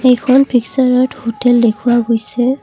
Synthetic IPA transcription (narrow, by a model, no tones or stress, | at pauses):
ɛjkʰɔnpʰiksaɹɔthotɛldekʰuaɡojsɛ